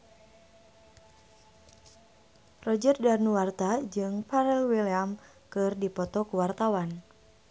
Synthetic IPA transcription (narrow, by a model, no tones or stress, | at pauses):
rɔd͡ʒərdarnuwart̪ad͡ʒɨŋpaɾɛlwiliam | kɨrdipɔt̪ɔkuwart̪awan